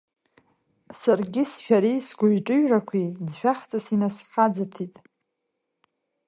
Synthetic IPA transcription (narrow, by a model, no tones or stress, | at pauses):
sarɡʲɪsʃᶣaɾisɡʷʊjʈ͡ʂʼɨɥrakʷʰid͡zʃᶣaχtʰʼasinasħad͡zɨtʰitʼ